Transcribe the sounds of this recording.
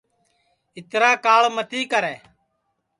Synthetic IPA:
ɪt̪ɾaːkaːɭmət̪iːkəɾɛː

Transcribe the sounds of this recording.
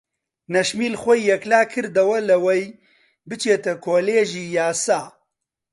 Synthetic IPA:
nɐʃmiːlxʷɔjːɛklaːkʰɨɾd̪ɐwɐlɐwɐj | bɨt͡ʃʰeːt̪ɐkʰoːleːʒiːjaːsaː

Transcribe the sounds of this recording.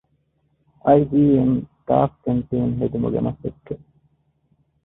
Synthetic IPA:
ʔɐjd̪iːent̪a̰ːfkent̪iːeŋɦed̪umṵɡḛmɐsekːe

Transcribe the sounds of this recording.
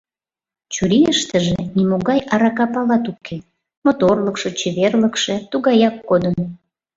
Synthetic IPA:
t͡ɕuɾijəʃt̪əʒĕnimoɣɑjɑɾɑkɑpɑlɑt̪ukʰe | mot̪orləkʃet͡ɕeβerləkʃet̪uɣɑjɑkːod̪ən

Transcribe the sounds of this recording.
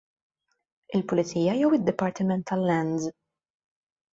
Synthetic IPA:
ɪlpʊlɪt͡siːjɐjɛwɪd̪ːɪpːɐɾt̪ɪmɛnt̪ʰːɐlːɛnz

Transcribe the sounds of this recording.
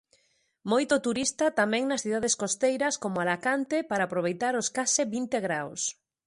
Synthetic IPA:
mojt̪ot̪uɾist̪ɐt̪amɛ̃ŋnɐsθiðaðeskost̪ejɾɐskomʊalakant̪ɪpaɾaːpɾoβ̞ejt̪aɾoskasɪβint̪eɣɾaws

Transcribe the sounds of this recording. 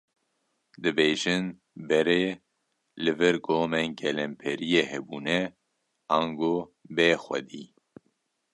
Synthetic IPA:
d̪ɨbeːʒɨn | bɛɾeː | lɨvɨɾɡoːmɛnɡɛlɛmpʰɛɾijeːhɛbuːnɛ | aːŋɡoːbeːxʷɛ̰d̪iː

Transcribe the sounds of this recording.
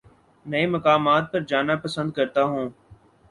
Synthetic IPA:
nəẽːməkaːmaːt̪̚pəɾd͡ʒaːnaːpəsə̃nd̪̚kəɾt̪aːɦũː

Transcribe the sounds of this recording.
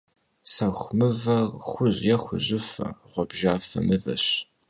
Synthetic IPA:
sɐxʷmɨvɐxʷʊʑjɛxʷʊʑɪfɐ̰ʁʷɔbʒaːfɐ̰nɨvɐ̰ɕ

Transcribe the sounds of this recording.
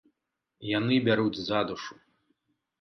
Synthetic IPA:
janɨbʲaɾud͡zʲzad̪uʂu̥

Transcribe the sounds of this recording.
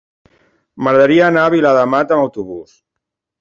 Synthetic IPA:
məɣɾəðəɾiəːnaːβilaðəmat̪əməwt̪uβus

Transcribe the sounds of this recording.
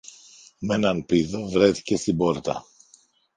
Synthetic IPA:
me̞nɐnpiðovɾe̞θi̥ce̞st̪ibo̞ɾt̪ɐ̰

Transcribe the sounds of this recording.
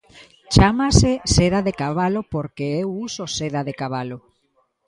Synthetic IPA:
t͡ʃamaseseðaðekaβalopoɾkeewusoseðaðekaβalo

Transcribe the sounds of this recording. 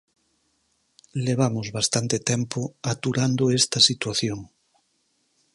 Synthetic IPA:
leβ̞amozβast̪ant̪et̪empoat̪uɾand̪oest̪asit̪waθjoŋ

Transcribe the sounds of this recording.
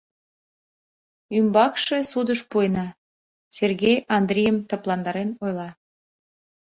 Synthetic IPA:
ymbɑkʃesud̪əʃpuenɑ | sʲerɣejɑnd̪rʲejəmt̪əplˠɑnd̪ɑɾenojlɑ

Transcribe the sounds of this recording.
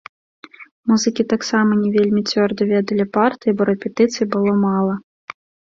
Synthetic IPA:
muzɨkʲit̪aksamɐnʲɛvʲelʲmʲit͡sʲvʲɔrd̪ɐvʲɛd̪ɐlʲipart̪ɨjibɔɾɛpʲɛt̪ɨt̪sɨjibɨlˠɔmalˠɐ

